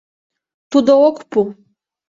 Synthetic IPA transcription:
t̪ud̪ɔwɔkʷʰpʰu

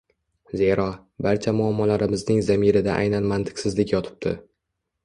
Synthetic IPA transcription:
ze̞ɾɒ | baɾt͡ʃʰamʊamːɒlaɾɪmɪznɪŋzamɪɾɪd̪a̰ʔa̰jnanmant̪ʰɪ̥ksɪzlɪkʲjɒt̪ʰɪ̥p̚t̪ʰɪ̰

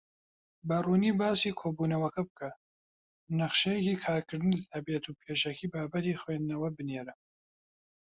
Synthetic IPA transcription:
bɐruːniːbaːsiːkʰoːbuːnɐwɐkɐbɨkʰɐ | nɐχʃɐjekiːkʰaːɾkʰɨɾd̪ɨnit̪ʰɐbet̪ʰupʰeːʃɐkʰiːbaːbɐt̪ixweːnd̪nɐwɐbɨneːɾɐ

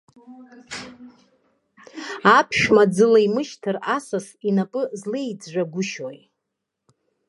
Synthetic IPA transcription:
apʰʃᶣmad͡zɨlajmɨʃtʰɨrasas | inapʼɨzlejd͡zʒʷᶣaɡʷʊʃoj

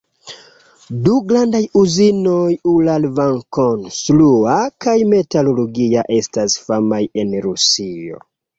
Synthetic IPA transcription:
duɡɾandajuzinojulalvaŋkonsluakajme̞taloloɡiaʔe̞stasfamaje̞nɾusio̰

